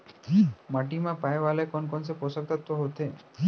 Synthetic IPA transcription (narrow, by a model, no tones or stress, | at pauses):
maʈimãpajʋalekɔnkɔnsepɔsək̚t̪at̪ːoɦot̪ʰe